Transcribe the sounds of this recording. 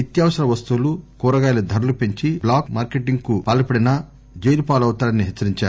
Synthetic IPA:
it̪jaːʋɐsɐɾɐʋɐst̪ulukuːɾɐɡaːjlɐd̪ʱɐɾɐlupeɲt͡ʃiblaːkmaːɾkeʈiŋɡkupaːlɐpɐɽinɐ | d͡ʒejlupaːlɐwt̪aːɐnːiɦet͡ʃːɐɾiɲt͡ʃaːɾ

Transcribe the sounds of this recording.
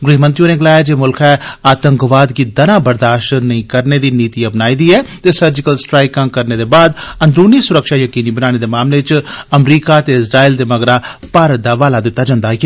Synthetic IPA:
ɡɾiːmə̃nt̪ɪjũːneːɡəlaːjaːd͡ʒeːmʊlkʰɛːaːt̪əŋkʋaːd̪kiːd̪ənãːbəɾd̪aːʃʈnəĩːkəɾneːd̪iːniːt̪iːəpnaːiːd̪iːɛːt̪eːsəɾd͡ʒɪkəlsʈɾaːɪkãːkəɾneːd̪eːbaːd̪ə̃nd̪ɾuːniːsʊɾəkʃaːjəkiːniːbənaːñeːd̪eːmaːmleːt͡ʃəmɾiːkaːt̪eːɪsɾaːiːld̪eːməɡɾaːpaːɾət̪̚d̪aːʋaːlaːd̪ɪt̪ːaːd͡ʒãːnd̪aːɦkː

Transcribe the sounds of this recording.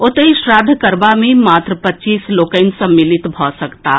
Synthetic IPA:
ot̪əiʃɾad̪ʱkəɾbamẽmat̪ɾəpət͡ʃiːslokəɪnsə̃mːilit̪bʱɔsəkt̪a

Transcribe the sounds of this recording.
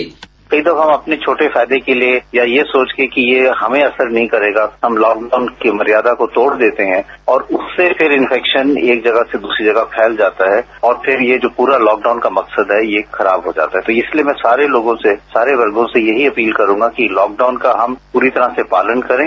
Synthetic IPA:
d͡ʒi | kɐid̪ɐfaɦmɐpnet͡ʃʰoːʈefaːɪd̪ekeliejajesoːt͡ʃkekijehɐmẽɐsəɾnɐɦĩkɐɾeːɡaɦɐmlɔːk̚ɖaʊnkemɐɾijaːd̪akot̪oːɽd̪eːt̪eɦɛ̃ɔːɾʊsːepʰɪɾɪ̃nfʰɛːkʃəneːk̚d͡ʒɐɡased̪uːsɾid͡ʒɐɡapʰɛːld͡ʒaːt̪aɦɛ | ɔːɾpʰɪɾjed͡ʒoːpuːɾalɔːk̚ɖaʊnkamɐksəd̪ɦɛjexɐɾaːbɦod͡ʒa̰ːt̪aɦɛt̪oɪsliemɛ̃ːsaːɾeloːɡõsesaːɾeʋɐɾɡõsejɐɦiɐpiːlkɐɾũːŋɡakilɔːk̚ɖaːʊnkaɦɐmpuːɾit̪ɐɾasepaːlənkɐɾẽː

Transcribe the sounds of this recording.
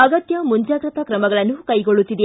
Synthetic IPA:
ɐɡɐt̪jɐmuɲd͡ʒaːɡɾɐt̪ɐkɾɐmɐɡɐɭɐnːukɐjɡoɭut̪ːid̪e

